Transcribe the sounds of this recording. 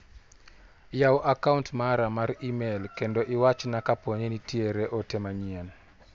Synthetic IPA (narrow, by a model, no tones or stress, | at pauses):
jawʔakauntmaɾamaɾimelkendoʔɪwat͡ʃnakapoɲenitieɾeʔotemaɲien